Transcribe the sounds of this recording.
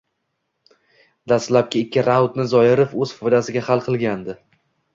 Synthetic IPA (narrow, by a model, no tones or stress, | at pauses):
d̪ast̪lap̚kʲɪɪkʲʰːɪɾawt̪nɪzɒjɪɾɪfɵz̥fɒjd̪asɪɡʲahalˠqʰɨlˠɡʲand̪ɪ